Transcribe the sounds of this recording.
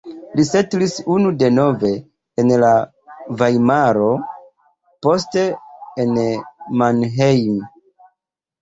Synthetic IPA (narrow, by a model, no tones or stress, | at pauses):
lise̞tlisunude̞no̞ve̞ː | nla | vajmaɾo̞ | po̞s̬te̞ːnmanɦejm